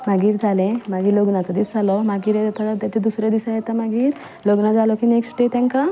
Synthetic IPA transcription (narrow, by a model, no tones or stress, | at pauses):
maɡiːɾd͡zʱalẽmaɡiːɾloɡnat͡sɔd̪isd͡zalɔmaɡiːɾt̪ʰəɽət̪at̪ed̪usɾad̪isajɛt̪amaɡiːɾ | loɡnad͡zalɔkineksʈʈet̪ãŋka